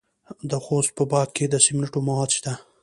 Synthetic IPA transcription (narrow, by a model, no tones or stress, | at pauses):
d̪əxost̪̚pəbɑd̪̚ked̪əsɪmnaʈomawɑd̪ʃd̪a